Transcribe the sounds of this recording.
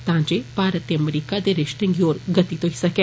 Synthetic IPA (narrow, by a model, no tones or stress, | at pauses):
t̪ãːd͡ʒepaːɾət̪eɐmɾiːkad̪eɾɪʃʈẽŋɡioːɾɡɐt̪it̪oɦisɐke